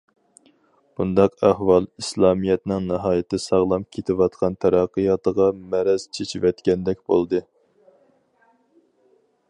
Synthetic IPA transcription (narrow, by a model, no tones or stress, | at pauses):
b̥und̪ɑqæhwɑlˠislˠɑːmijɛt̪nɪŋnɨɦɑːjɪt̪ʰːɪsɑʁlˠɑp̚kʲʰet̪ʰɪwɑt̪qʰɑnt̪ʰæɾɑqːəjɑt̪əʁɑmɛɾɛz̥t͡ʃʰet͡ʃʰivɛt̪kʲɛnd̪ɛk̚ʲb̥olˠd̪ɨ